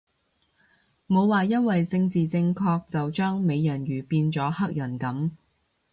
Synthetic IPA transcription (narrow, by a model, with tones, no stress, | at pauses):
mo˨˧wwaː˨˩jɐ˥nwɐ˨jt͡sɪ˧ŋt͡siː˨t͡sɪ˧ŋkʰɔː˧k̚t͡sɐ˨wt͡ʃœː˥ŋme˨˧jjɐ˨˩nɥyː˨˩piː˧nt͡sɔː˨˥hɐ˥k̚jɐ˨˩nkɐ˨˥m